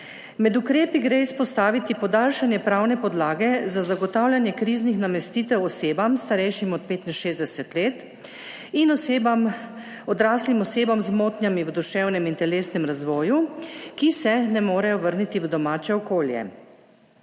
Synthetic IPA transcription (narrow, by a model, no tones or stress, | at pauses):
mɛd̪ukɾeːpiɡɾeːispɔst̪aːʋit̪ipɔd̪aːlʃanjɛpɾaːwnɛpɔd̪laːɡɛzazaɡɔt̪aːwljanjɛkɾiːznixnamɛst̪iːt̪ɛwɔseːbamst̪aɾɛjʃimɔt̪̚peːt̪inʃeːzd̪ɛsɛt̪leːt̪ | in | ɔd̪ɾaːslimɔseːbamzmoːt̪njamiwd̪uʃɛwnɛmint̪ɛleːsnɛmɾazʋɔːjukisɛnɛmoːɾɛjɔʋəɾnit̪iʋd̪ɔmaːt͡ʃɛɔkoːljɛ̰